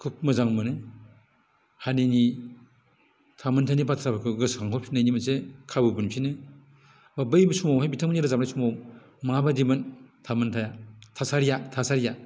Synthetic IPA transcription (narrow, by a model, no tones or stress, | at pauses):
kʰup̚mɯzaŋmɯnɯ | hanini | tʰamɯntʰajnibatʰɾabɯkʰɯɡɯskʰaŋɦʰɔpʰinajnimɐsekʰabɯbɯnpʰinɯ | babɯjbɯsumawɦajbitʰaŋmniɾazamnajsumaw | mabadimɯntʰamɯntʰajatʰasaɾjatʰasaɾija